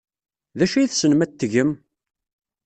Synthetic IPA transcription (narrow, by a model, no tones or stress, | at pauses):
ðæʃæjiθsənmæt̪ːəʝəm